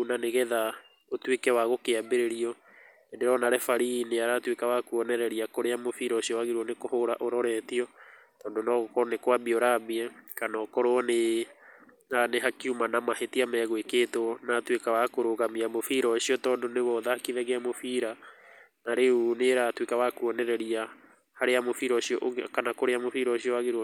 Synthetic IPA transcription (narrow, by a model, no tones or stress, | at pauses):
unaneɣɛða | otwekɛwaɣokeabeɾeɾiɔ | endeɾɔnaɾɛfaɾineaɾatwekawakuɔnɛɾɛɾiakoɾeamofiɾɔɕiɔwaɣeɾuɔnekohoɾa̰ʔoɾɔɾɛtiɔ | tɔːndonɔɣkɔnekwabiɔɾabiɛkanɔːkɔɾoɔne | naneɦakiumanamahetiamɛːɣoekeːtonatwekawakoɾoɣamiamofiɾɔɕiɔtɔːndoneβɔðahakiðɛɣeamofiɾa | naɾeuneɾatwekawakuɔnɛɾɛɾia | haɾeamofiɾɔɕiɔʔkanakoɾeamofiɾɔɕiɔaɣeɾu